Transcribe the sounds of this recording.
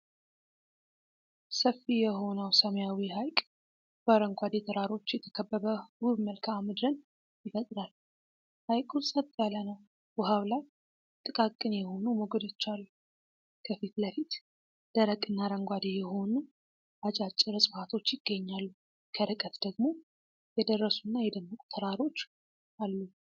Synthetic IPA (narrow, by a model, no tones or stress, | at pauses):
səfːijɛho̞nəwsəməjawihajkʼ | b̥əɾəŋɡʷad̪et̪ʰəɾaɾo̞t͡ʃːjɛt̪ʰə̥kʰəbːəβəuβməlkʰaamɨd̪ɾən | jɪfət̪ʼɾal | hajkʼusʼət̪ʼjalːənəw | wɔhaβlaj | t̪ʼɨkʼakʼɨnjɛho̞numoɡəd̪jɛt͡ʃːalːu | kʰəfit̪ləfit̪ | d̪̥əɾəkʼɨnːaɾəŋɡʷad̪ejɛho̞nu | ʔat͡ʃʼat͡ʃʼːɪɾəsʼɨfat̪ʰo̞t͡ʃːjɪɡ̥ːəɲːalːu | kʰəɾɨkʼət̪d̪̥əɡmo̞ | jɛd̪ərːəsunːajɛd̪əmːəkʼu̥t̪ʰəɾaɾo̞t͡ʃː | alːu